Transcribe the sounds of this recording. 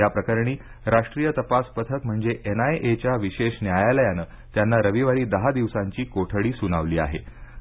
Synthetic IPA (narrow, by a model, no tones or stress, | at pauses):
japɾəkaɾɳ̃iː | ɾaʂʈɾijət̪əpaspət̪ʰəkm̤əɳd͡zeʔenaeʔet͡ɕjaʋiɕeɕnjajaləjanəː | t̪janːaɾəʋiʋaɾiːd̪əɦad̪iʋsaɲt͡ɕiːkoʈʰəɽiːsunaʋliːa̰ɦḛ